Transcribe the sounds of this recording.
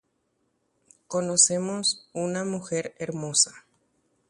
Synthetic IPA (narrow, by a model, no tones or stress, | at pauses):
ko̞nose̞mosunamuxe̞ɾeɾmo̞sḁ